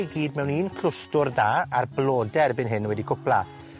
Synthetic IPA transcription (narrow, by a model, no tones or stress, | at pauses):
jɡiːdmɛwniːnkʰl̥ʊstʊrdaːarblˠɔːdɛrbɪnɦɪnwɛdikʰʊplˠa